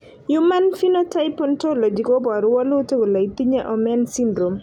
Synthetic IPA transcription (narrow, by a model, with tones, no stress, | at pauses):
juma˦nfi˦notajpɔntolo˨d͡ʒi˨kɔ˦ba˨ɾʊ˦wɔ˦lu˦te˦ko˨la˨it̪i˦ɲɛ˦ʔɔ˨mɛnsindɾo˨m